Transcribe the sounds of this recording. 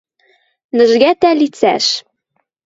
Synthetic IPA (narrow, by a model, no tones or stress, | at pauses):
nɘ̆ʒɡæt̪ælit͡sæ̰ʃ